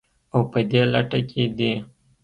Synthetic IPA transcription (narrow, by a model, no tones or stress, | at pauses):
awpəd̪eːlɐʈaked̪e